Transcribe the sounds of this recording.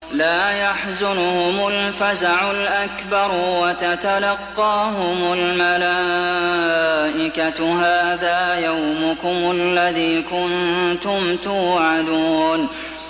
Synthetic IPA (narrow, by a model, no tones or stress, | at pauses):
laːjaħzʊnʊhʊmʊlfazaʕʊlʔakbɑɾwat̪at̪alɑqːɑːɦʊmʊlmala | ʔɪkatɦaːðaːjawmʊkʊmalːaðiːkʊnt̪ʊmt̪uːʕad̪uːn